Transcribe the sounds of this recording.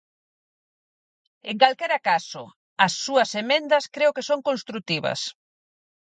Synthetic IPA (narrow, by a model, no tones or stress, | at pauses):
eŋkalkeɾakasʊ̰ | ɐsːuɐsemẽnd̪ɐskɾeʊkesoŋkõnst̪ɾut̪iβɐ̰s